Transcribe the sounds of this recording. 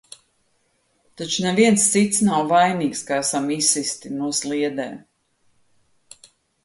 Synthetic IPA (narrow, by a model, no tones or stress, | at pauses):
t̪at͡ʃuneviɛnst̪sit̪snawvajniːkskaæsamisist̪inuɔslˠiɛd̪ɛː